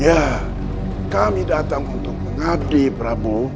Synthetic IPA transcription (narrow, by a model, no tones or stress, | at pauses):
ja | kamidataŋutoŋadebɾabo